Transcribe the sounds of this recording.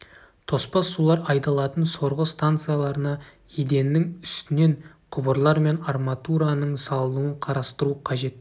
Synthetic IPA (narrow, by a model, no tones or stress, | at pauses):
t̪ʰo̞spɑsːulˠɑɾɑjt̪ɑlˠɑt̪ənso̞ɾʁəst̪ant̪sɨjalˠɑɾənɑ | jed̪e̞nːɪŋʏst̪ɪne̞ɴ | qʰʊbəɾlˠɑɾme̞narmat̪uɾanəɴsɑlˠənuəɴqʰɑɾɑst̪əɾuqʰɑʒe̞t̪